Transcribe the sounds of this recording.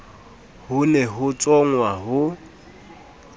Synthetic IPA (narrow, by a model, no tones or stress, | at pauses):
hʊnɛɦʊt͡sʼɔŋwaɦʊ